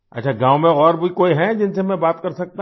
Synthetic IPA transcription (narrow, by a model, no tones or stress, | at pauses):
ɐ̰tːʃʰaɡãːwmẽɔːɾboikoːiɦɛ̃d͡ʒɪnsemɛ̃baːt̪kɐɾsɐk̚t̪a